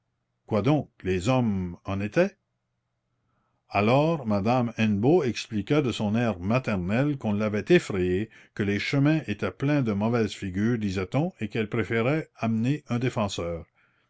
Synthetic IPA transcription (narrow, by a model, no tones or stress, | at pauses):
kwad̪ɔ̃ːklezɔmɑ̃net̪ɛ | alɔːʁmad̪amɛ̃nboɛksplikad̪əsɔ̃nɛːʁmat̪ɛʁnɛlkɔ̃lːavɛt̪efʁɛjekəleʃəmɛ̃et̪ɛplɛ̃d̪əmɔvɛz̥fiɡyːʁd̪izɛt̪ɔ̃ekɛlpʁefeʁɛamneœ̃d̪efɑ̃sœːʁ